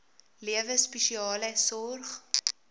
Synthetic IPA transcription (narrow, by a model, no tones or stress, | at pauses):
liəvəspəʃiɑːləsɔrχ